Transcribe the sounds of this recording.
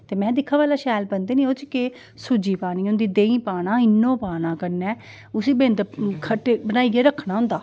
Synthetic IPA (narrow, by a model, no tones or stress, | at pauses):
t̪eːmɛ̃ːd̪ɪkʰːãːʋaːlaːʃɛːlbənd̪eːnĩːoːt͡ʃke | sʊud͡ʒiːpaːñiːʊ̃nd̪iːd̪eːĩːpaːnãːɪnːõːpaːnãːkəɾnɛː | ʊsiːbẽːnd̪əkʰəʈeːbənaːiːɡeːɾəkʰːnãːɦʊ̃nd̪aː